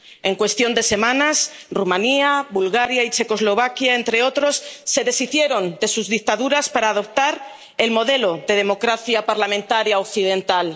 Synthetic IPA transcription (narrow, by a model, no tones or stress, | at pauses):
e̞ŋkwe̞st̪jo̞nd̪e̞se̞mãnasrumãniaβulɣaɾjait͡ʃe̞ko̞zlo̞β̞akjae̞nt̪ɾe̞o̞t̪ɾo̞sːe̞ðe̞siθje̞ɾo̞nd̪e̞suzðik̚t̪aðuɾaspaɾaːðo̞p̚t̪aɾ | e̞lmo̞ð̞e̞loðe̞ð̞e̞mo̞kɾaθjapaɾlamẽnt̪aɾjaokθið̞ẽ̞nt̪al